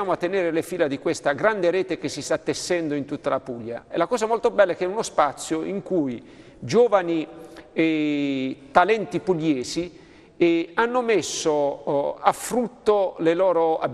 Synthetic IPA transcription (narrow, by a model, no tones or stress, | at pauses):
aːmoat̪ːeneːɾelefiːlad̪ikwest̪aɡɾand̪eɾɛːt̪ek̟esːist̪at̪ːesːɛnd̪oint̪ut̪ːalapuʎːa̰elakɔːzamɔlt̪obɛlːaɛkːɛunospat̪sːjoʔiŋkuj | d͡ʒoːvani | t̪alɛnt̪ipulːɛːsi | anːomesːoafɾut̪ːolelɔːɾoa̰b